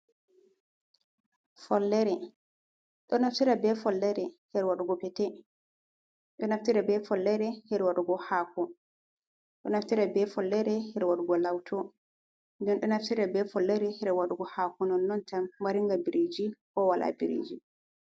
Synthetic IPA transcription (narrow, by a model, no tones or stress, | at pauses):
fɔlːɛɾɛ | ɗɔnaftiɾabɛfɔlːɛɾɛhɛɾwaɗuɡɔpɛtɛ | ɗɔnaftiɾɛbɛfɔlːɛɾɛhɛɾwaɗuɡɔhaːkɔ | ɗɔnaftiɾabɛfɔlːɛɾɛhɛɾwaɗuɡɔlawtʰɔ | ndɛnɗɔnaftiɾabɛfɔlːɛɾɛhɛɾɛwaɗuɡɔhakɔnɔnːɔntammaɾiŋɡabiɾed͡ʒikɔwalʔa̰biɾḛːd͡ʒi